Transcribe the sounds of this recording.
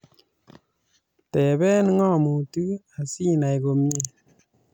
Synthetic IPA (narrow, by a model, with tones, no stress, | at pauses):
tɛ˨bɛ˦n˦ŋɔ˦˨mu˨tɯ˦a˨si˦na˨jɡo˧mɲe˦